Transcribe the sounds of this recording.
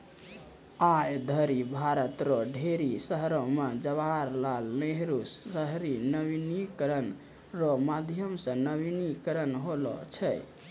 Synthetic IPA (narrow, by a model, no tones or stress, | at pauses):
ajd̪ʱəɾibʱaɾət̪ɾɔɖʱeɾisəɦɾomed͡ʒəβaɾlalneɦɾusəɦɾinəbinikəɾən | ɾɔmad̪ʱjəmsə̃nəbinikəɾənɦolɔ̰t͡ʃʰɛ